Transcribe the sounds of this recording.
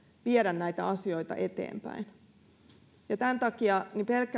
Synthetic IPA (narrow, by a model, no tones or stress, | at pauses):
ʋieɾænnæit̪æɑsio̞it̪ɑ̰ʔet̪ḛːmpæ̰in | jɑt̪ænt̪ɑkiɑnipelkːæ